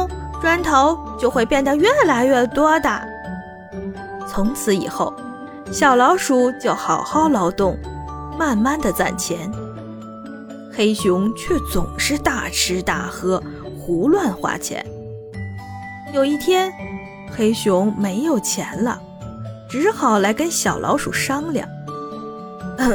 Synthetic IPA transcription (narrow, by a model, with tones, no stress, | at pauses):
ʈ͡ʂwa˥nt̪ʰo˧˥ʊt͡ɕjo˥˧ʊxwe˥˧ɪpjɛ˥˧˩nd̪ə˨ɥɛ˥˩la˧˥ɪɥɛ˥˩t̪wɔ˥d̪ə̰˨˩ | t͡sʰʊ˧˥ŋt͡sʰɹ̩˧˥ḭ˨˩xo˥˩ʊ | ɕjɑ˨˩ʊlɑ˧˥ʊʂu˧˥t͡ɕjo˥˩ʊxɑ˨˩ʊxɑ˥˩ʊlɑ˧˥ʊt̪ʊ˥˧ŋma˥˧nma˥˩nd̪ə˩t͡sa̰˥˩nt͡ɕʰjɛ˧˥n | xe˥ɪɕʊ˧˥ŋt͡ɕʰɥɛ˥˩t͡sʊ˨˩ŋʂɻ̩˥˧t̪a˥˩ʈ͡ʂʰɻ̩˧˥t̪a̰˥˩xɤ˥ | xu˧˥lwa˥˧nxwa̰˥˩t͡ɕʰjɛ̰˧˥n | jo˨˩ʊi˥˩t̪ʰjɛ˥n | xe˥ɪɕʊ˧˥ŋme˧˥ɪjo˨˩ʊt͡ɕʰjɛ̰˧˥nlə̰˧ | ʈ͡ʂɻ̩˧˥xɑ˨˩ʊla˧˥ɪkə˥nɕjɑ˨˩ʊlʔɑ̰˧˥ʊʂu˨˩ʂɑ˥ŋljɑ̰˥˩˦ŋ